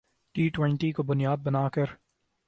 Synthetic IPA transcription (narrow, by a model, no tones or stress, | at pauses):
ʈiːʈwɛ̃ɳʈikobʊnijaːd̪̚bɐnaːkɐɾ